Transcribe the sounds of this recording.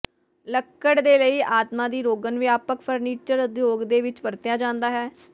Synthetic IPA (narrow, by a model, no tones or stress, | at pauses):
ləkːəɽd̪eːləiːʔaːt̪mãːd̪iːɾoːɡənʋjaːpəkpʰəɾniːt͡ʃəɾʊd̪joːɡd̪eːʋɪt͡ʃʋəɾt̪jaːd͡ʒãːnd̪aːɦɛː